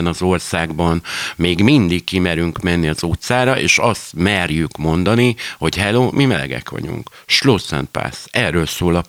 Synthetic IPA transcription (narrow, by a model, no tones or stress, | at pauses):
nɒzo̞rsaːɡbɒnmeːɡmind̪ikːimɛɾyŋkmɛnːiɒzut̪saːɾɒʔḛːʃɒst̪mɛrjykmo̞nd̪ɒniho̞chɛloːmimɛlɛ̰ɡɛ̰kʋɒ̰ɟṵŋkʃloːsɛ̰npa̰ːsɛrːøːlsoːlɒ